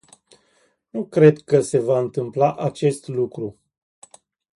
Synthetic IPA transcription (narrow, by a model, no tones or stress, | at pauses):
nukɾe̞d̪kəse̞vaɨnt̪ɨmplaʔat͡ʃe̞st̪lukɾu